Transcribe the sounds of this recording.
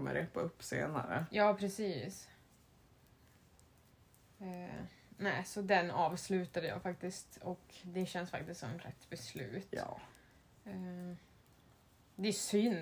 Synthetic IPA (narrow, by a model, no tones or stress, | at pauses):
mə̰ɾeːpaɵpːsḛːna̰ɾə̰jɑːpʰɾɛsiːs | næːsɔd̪ɛnɑːvslʉ̟ːt̪ad̪əjɑ̰ːfakt̪ɪst̪ɔkd̪ɛɕɛnːsfa̰k̚t̪ɪsk̪t̪sɔ̰mɛnɾɛ̰t̪ːbɛslʉ̟ːt̪ː | d̪ɛæsʏnː